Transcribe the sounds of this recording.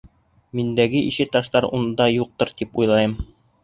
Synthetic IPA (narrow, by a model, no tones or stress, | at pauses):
mind̪æɡɘʔiɕɘt̪ɑʃt̪ɑɾṵnd̪ɑjuq̚t̪ɤɾt̪ipujlˠɑjɤm